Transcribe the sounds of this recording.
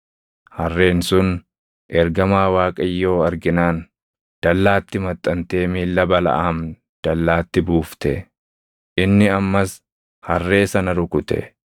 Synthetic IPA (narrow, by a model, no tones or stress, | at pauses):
hɐrːe̞ːnsʊn | ʔɛɾɡɐmaːwaːkʼɐjːo̞ːɐɾɡɪnaːn | d̪̥ɐlːaːt̪ːɪmɐt̪ʼːɐnt̪e̞ːmiːlːɐbɐlɐ̰ʔaːm | d̪̥ɐlːaːt̪ːɪbuːft̪ɛ | ʔɪnːɪɐmːɐs | hɐrːe̞ːsɐnɐɾʊkʊt̪ɛ̰